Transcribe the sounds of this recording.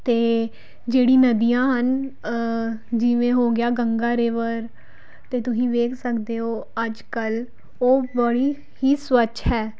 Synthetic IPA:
t̪eː | d͡ʒeːɽiːnəd̪ijãːɦən | d͡ʒɪʋẽːɦoːɡɪjaːɡəŋɡaːɾeːʋəɾ | t̪eːt̪ʊsĩːʋeːkʰsəkd̪eːɦoːəd͡ʒkəl | oːbəɽiː | hiːswəʃɦɛː

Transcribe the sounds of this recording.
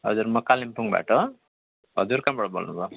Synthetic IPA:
ɦʌ̰d͡zuɾmʌkalimpuŋba̰ʈʌ | ɦʌd͡zuɾkambʌɽʌbolnubʱʌ

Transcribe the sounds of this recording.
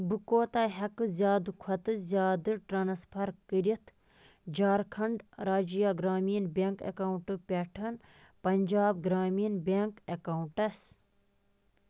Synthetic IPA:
bɨkoːt̪aːɦɐkɨzʲjaːd̪ɨkʰɐt̪ɨzʲjaːd̪ɨʈɾɐːnɐspʰɐɾkɨɾit̪ʰ | d͡ʒaːɾkʰɐɳɖɾaːd͡ʒijaːɡɾaːmiːnbʲeŋkḛkɐwuɳʈɨpʲeʈʰɐn | pɐnʲd͡ʒaːbɡɾaːmiːnbʲeŋkekɐwuʈɐs

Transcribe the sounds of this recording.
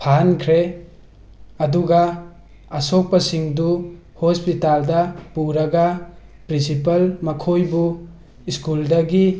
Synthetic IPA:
pʰaɦankʰɾe | ɐduɡaː | sok̚pɐsiŋdu | hospitaldɐpuɾɐɡapɾinsipɐlmɐkʰojbu | iskuldɐɡi

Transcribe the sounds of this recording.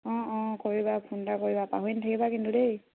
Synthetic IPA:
ɔ̃ɔ̃koɹibapʰundakoɹibapa̰ɦuintʰakibakintudej

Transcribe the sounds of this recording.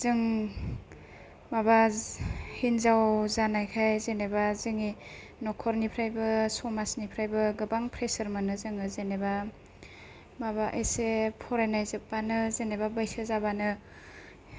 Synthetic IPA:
z̥ɯŋ | maba | hinzawzanajkʰajzenebazɯŋi | nɔkʰɔɾnipʰɾajbɯsɔmasnipʰɾajbɯɡɯbaŋpʰɾesɐɾmɯnɯzɯŋɯzeneba | maβaʔesepʰɔɾenajzɯp̚banɯzenebabajsɯzabanɯ

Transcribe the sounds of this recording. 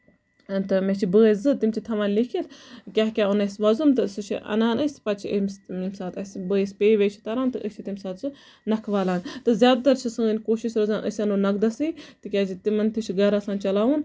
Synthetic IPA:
t̪ɨmet͡ʃʰibəːszɨt̪imʲt͡ʃʰit̪ʰɐʋɐnlikʰilkʲaːɦkʲaːunɐsʋɐzumt̪ɨsɨt͡ʃʰḭʔɐ̰naːnɐsʲpɐt͡ʃʰə̰msimsaːt̪ɐsbəːispeːʋet͡ʃʰi̥t̪ɐɾaːnt̪ɨʔət͡ʃʰit̪imʲsaːt̪su | nɐkʰʋaːlaːnt̪ɨzʲjaːd̪̚t̪ɐɾt͡ʃʰisɨnʲkoːʃiʃɾɐzãːnʔə̰sʲɐnoːnɐk̚d̪ɐsiːt̪ɨkʲaːt͡ʃʰit̪imɐnt̪ʰiʃʰiɡɐɾɐsãːnt͡ʃɐlaːwun

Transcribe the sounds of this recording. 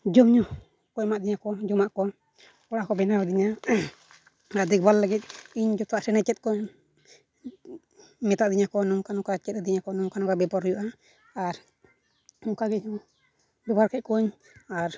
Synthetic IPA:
d͡ʒɔmɲɔ | kɔmaʔd̪iɲakɔd͡ʒɔmaʔkɔ | ɔɽakɔbɛnawɛd̪iɲa | aɾd̪ɛk̚balːɛɡɛt̪̚iɲd͡ʒɔt̪ɔaʔsɛnɛt͡ʃɛt̪̚kɔɲ | mɛt̪aʔd̪iɲakɔnɔŋkanɔkat͡ʃɛt̪̚ɛd̪iɲakɔnɔŋkanɔkabɛbɔɾɔjuʔaː | ɾ | ɔŋkaɡɛɲɔ | bɛbaɾkɛʔ̚kɔɲ | aɾ

